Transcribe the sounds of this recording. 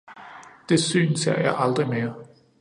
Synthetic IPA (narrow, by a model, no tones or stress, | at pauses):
d̥e̝sy̰ːnseɐ̰jɑ̈ɪʔɑ̈ld̥ʁime̝ːɐ